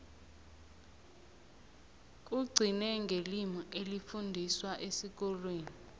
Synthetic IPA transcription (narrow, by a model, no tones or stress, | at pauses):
uɡ͡ǀʱinɛŋɡʱelimuʔelifundʱiswaʔesik̬ɔlweːni